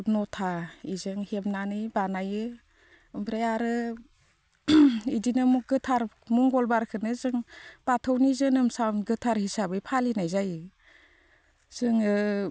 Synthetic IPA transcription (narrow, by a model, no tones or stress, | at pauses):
nɔtʰaizɯŋhemnanɯjbanajɯ | ɯmpʰɾejaɾɯ | idinɯmuɡɯtʰaɾ | muŋɡɔlbaɾkʰɯnɯzɯŋb̥atʰɯwnizɯnɯmsawnɡɯtʰaɾhisabɯjpʰalinajzaj | z̥ɯŋɯ